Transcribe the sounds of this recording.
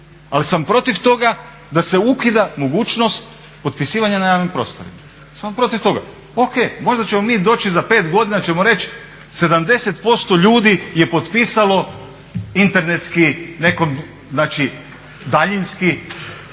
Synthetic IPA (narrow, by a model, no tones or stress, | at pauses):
alisampɾo̞t̪iʋt̪o̞ɡa | d̪ase̞ukid̪amo̞ɡuːt͡ʃnost̪ | po̞t̪̚pisiːʋaɲanajaːʋnimpɾo̞̰st̪o̞̰ɾḭma | sampɾo̞t̪iʋt̪o̞ɡa̰ | oke̞ːmo̞ʒd̪at͡ɕe̞mo̞miːd̪o̞ːt͡ʃizape̞ːt̪ɡo̞d̪inat͡ʃe̞mo̞ɾe̞t͡ʃ | se̞d̪amd̪e̞set̪po̞st̪o̞ʎuːd̪ije̞po̞t̪piːsalo̞ | int̪e̞ɾne̞t̪skine̞ko̞m | znaːt͡ʃi | d̪aʎinski